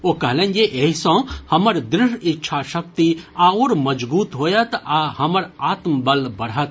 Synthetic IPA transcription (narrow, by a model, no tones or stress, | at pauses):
oːkɐɦlẽːnjeʔeɦsõːhɐməɾd̪ɾɪʃɪtːʃʰaʃɐkt̪iaoːɾmɐd͡ʒbuːt̪ɦoːjɐt̪aːhɐməɾaːt̪mbɐlbɐɽɦɐt̪̚